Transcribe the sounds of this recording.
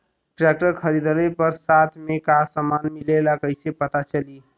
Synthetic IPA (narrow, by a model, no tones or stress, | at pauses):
ʈɾɛk̚ʈəɾkʰəɾid̪əlepəɾsat̪ʰmekasəmanmilelakəɦɪsepət̪at͡ʃəli